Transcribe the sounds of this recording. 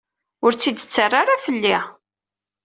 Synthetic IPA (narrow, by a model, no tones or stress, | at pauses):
ʊɾt͡sːid̪ət͡sːərˤːaɾafəlːi